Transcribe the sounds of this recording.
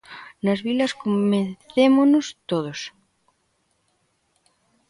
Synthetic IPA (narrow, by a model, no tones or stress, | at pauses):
nɐzβilɐskommenθemonost̪oðos